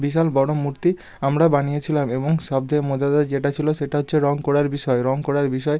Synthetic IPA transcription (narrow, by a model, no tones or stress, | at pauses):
biʃalbɔɽ̃omuɾt̪i | amɾabanijet͡ɕʰilameboŋʃɔb̚d̪ʱemod̪ad̪ad͡ʑeʈat͡ɕʰiloʃeʈaɦotːɕʰeɾɔŋkɔɽaɾbiʃɔeɾɔŋkoɽaɾbiʃɔe